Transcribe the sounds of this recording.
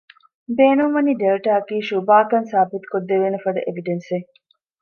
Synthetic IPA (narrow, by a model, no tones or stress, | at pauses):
beːnumʋɐniɖelʈaːɐkiːʃubaːkɐnsaːbit̪u̥kod̪ːeʋeːnɐfɐɖɐʔeʋiɖense